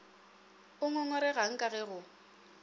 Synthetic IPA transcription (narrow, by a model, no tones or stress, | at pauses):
ʊŋɔŋɔɾɛɣaŋ̩kʼaɣɛɣʊ